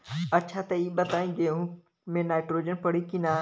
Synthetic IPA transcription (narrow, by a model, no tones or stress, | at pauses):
ɐtːʃʰat̪ɐiːɓɐt̪aːĩd͡ʒeɦũ | mẽnaːɪʈɾoːd͡ʒənpɐɽ̤ikina